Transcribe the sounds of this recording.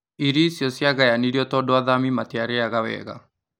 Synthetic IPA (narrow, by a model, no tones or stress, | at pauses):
iɾisjɔsjaɣajaniɾiɔtɔːdoaðamimateaɾeaɣawɛ̰ɣa̰